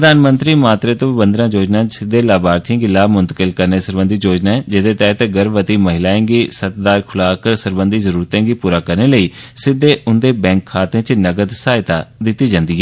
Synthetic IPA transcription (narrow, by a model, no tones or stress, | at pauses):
əd̪aːnmə̃nt̪ɾiːmaːt̪ɾeːt̪õːbənd̪ɾãːd͡ʒoːd͡ʒnãːt͡ʃsɪd̪ːeːlaːbaːɾt̪ʰĩːɡɪlːaːmʊ̃nt̪ə̥kəlkəɾneːsəɾbə̃nd̪iːd͡ʒoːd͡ʒnaːɛːd͡ʒɪd̪eːt̪ɛːt̪eːɡəɾʋət̪iːməɦɪlaːẽːɡiːsət̪d̪aːɾkʰʊlaːkəɾsəɾbənd̪iːzəɾuːɾt̪ẽːɡiːpuːɾaːkəɾneːləiːsɪd̪ːeːʔʊnd̪eːbɛ̃ːŋkʰːaːt̪ẽːt͡ʃnəɡəd̪saːɪt̪aːd̪ɪt̪ːiːd͡ʒãːnd̪iːɛː